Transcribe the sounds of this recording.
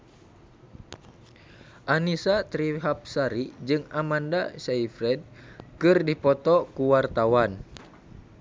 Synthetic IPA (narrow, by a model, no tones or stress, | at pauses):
ʔanisat̪ɾiɦap̚saɾid͡ʒɨŋamanda̰saifɾɛd̚kɨrdipɔt̪ɔkuwart̪awan